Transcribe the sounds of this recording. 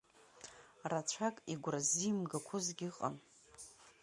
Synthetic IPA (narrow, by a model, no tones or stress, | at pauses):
rat͡ʃʷʰakʼiɡʷrazimɡakʷʰʊzɡʲɪqʼa̰n